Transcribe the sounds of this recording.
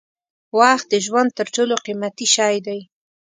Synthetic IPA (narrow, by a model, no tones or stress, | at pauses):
wɑxt̪̚d̪əʒwand̪̚t̪əɾʈoloqimat̪iʃɑjd̪aj